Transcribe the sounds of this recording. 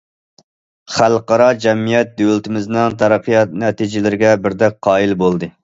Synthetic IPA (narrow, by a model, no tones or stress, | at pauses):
χælˠqɑɾɑd͡ʒɛmijɛt̪̚d̪ølt̪ɪmɪznɪŋt̪ʰɑɾɑqʰɨjɑt̪nɛt̪id͡ʒɪlɪɾɪɡʲɛbɪɾd̪ɛk̚qʰːɑːilbolˠd̪ɨ